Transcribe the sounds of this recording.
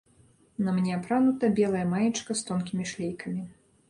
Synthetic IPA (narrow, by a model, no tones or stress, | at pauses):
nɐmnʲɛapɾanut̪ɐbʲɛlˠɐjɐmajit͡ʂkɐst̪ɔnkʲimʲiʂlʲejkɐmʲi